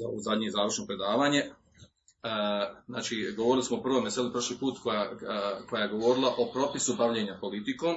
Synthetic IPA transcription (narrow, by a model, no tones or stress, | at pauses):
aoozad̪ʲɲezaːʋɾrʃno̞pɾe̞d̪aːʋaːɲe̞ | znaːt͡ʃiɡoʋoɾilismopr̩ʋomeselipɾr̩ʃliːpuːt̪kojakojajeɡo̞ʋo̞ɾilˠaʔo̞pɾo̞pisubaʋʎe̞ːɲapo̞lit̪iko̞ːm